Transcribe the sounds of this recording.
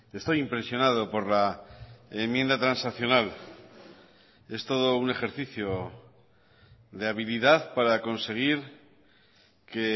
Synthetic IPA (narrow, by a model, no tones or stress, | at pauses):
e̞st̪o̞jimpɾe̞sjo̞nað̞o̞po̞ɾla | emjẽ̞nd̪at̪ɾansaθjo̞nal | e̞st̪o̞ð̞o̞une̞xe̞ɾθiθjo | deaβ̞iliðaðpaɾako̞nse̞ɣ̞iɾ | ke